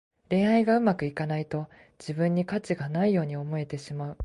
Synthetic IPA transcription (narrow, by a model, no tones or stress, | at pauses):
ɾẽ̞ɰ̃aiɡaɯ̟makɯ̟ikanait̪o̞ | d͡ʑibɯ̟̃ɲ̟ːikat͡ɕiɡanaijo̞ːɲ̟io̞mo̞e̞t̪e̞ɕimaɯ̟